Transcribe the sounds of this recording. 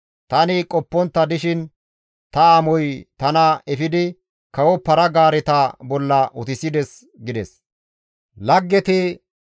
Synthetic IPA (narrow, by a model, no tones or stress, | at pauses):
t̪ɐnɪkʼɔpːɔnt̪ːɐd̪ɪʃɪn | t̪ɐamɔjt̪ɐnɐɛfɪd̪ɪ | kɐwɔpɐɾɐɡaːɾɛt̪aːbɔlːɐʔʊt̪ɪsɪd̪ɛs | ɡɪd̪ɛs | lɐɡːɛt̪ɪ